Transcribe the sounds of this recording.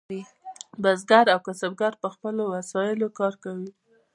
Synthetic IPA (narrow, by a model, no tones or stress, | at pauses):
i | bazɡaɾawkasab̚ɡaɾpəxpəlowasɑjɪlokɑɾkawi